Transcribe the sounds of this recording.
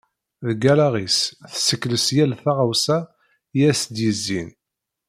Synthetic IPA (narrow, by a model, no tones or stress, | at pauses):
ðəɡælaʁisθə̥sːəkːləsjælθaʁawsæ | jæsd̪jəzːḭn